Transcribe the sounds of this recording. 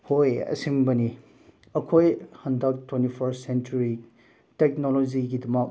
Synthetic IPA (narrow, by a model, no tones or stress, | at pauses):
hojɐ̰simbɐni | ɐkʰojhɐndɐk̚tʰwentipʰɐɾsent͡ʃuɾi | tek̚noloziɡidɐmɐk̚